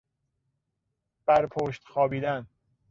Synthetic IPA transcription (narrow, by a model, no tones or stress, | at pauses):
b̥æɾpʰoːʃt̪xɒːbiːd̪æn